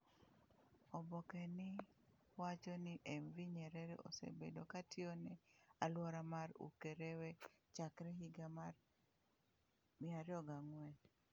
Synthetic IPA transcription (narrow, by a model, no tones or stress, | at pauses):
ɔbɔkɛnɪ | wat͡ʃɔnɪʔɛmviɲɛɾɛɾɛ̰ʔo̰sḛbedokatʰjonɛalwɔɾamaɾṵkeɾɛwɛt͡ʃakɾɛɦiɡamar | mɪaɾjɔɡaŋwɛɲ